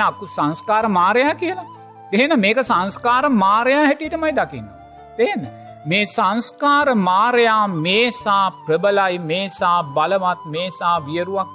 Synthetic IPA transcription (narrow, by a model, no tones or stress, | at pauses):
kusanskaːɾəmaːɾejaːkiəla | t̪eɦnəmeːkəsanskaːɾəmaːɾejaːhɛʈiəʈəmajd̪akinːo̰ | t̪enə | meːsanskaːɾəmaːɾejaːmeːsaːpɾəbəlajmeːsaːbaləʋat̪̚meːsaːʋijəɾuʋak̚